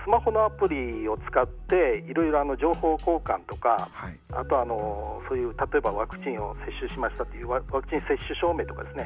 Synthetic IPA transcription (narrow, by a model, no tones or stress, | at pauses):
sɨmaho̞no̞apɯ̟ɾʲio̞t͡sɨ̥kat̪ːe̞iɾo̞iɾo̞ano̞d͡ʑo̞ːho̞ːko̞ːkã̰nt̪o̞ka̰a | a̰t̪o̞ano̞so̞ːjɯ̟ːt̪at̪o̞ebaβakɯ̟̥t͡ɕĩɰ̃o̞se̞ɕːɨɕimaɕi̥t̪at̪oijɯːβaβakɯ̟t͡ɕĩɰ̃se̞ɕːɨɕo̞ːme̞ːt̪o̞kad̪e̞sɨne̞